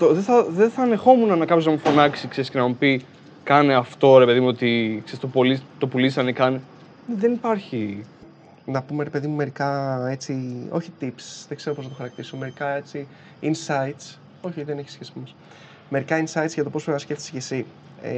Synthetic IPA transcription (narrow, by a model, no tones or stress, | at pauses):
t̪oðeθɐðeθɐːne̞xo̞munɐnɐkɐpoznɐmufo̞nɐksikse̞ɾiscenɐmupi | kɐneɐft̪o̞ɾe̞pe̞ðimuo̞t̪iksest̪opolit̪o̞pulisɐnekɐne | neðenipɐɾçi | nɐpume̞ɾe̞pe̞ðimume̞ɾikɐe̞t͡sio̞çi̥t̪ipsi̥sðeɡ̥ze̞ɾoponɐt̪o̞xɐɾɐk̚t̪iso̞me̞ɾikɐe̞t͡si | insɐit̪s | o̞çiðene̞çisçesimɐs | me̞ɾikɐinsɐit̪sʝɐt̪o̞po̞sfboɾinɐsce̞ft̪i̥sʝesḭ